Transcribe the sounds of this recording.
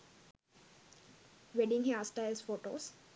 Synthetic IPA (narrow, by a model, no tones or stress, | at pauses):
ʋeɖɪ̃ŋɦaːsʈaɪlsfoːʈoːs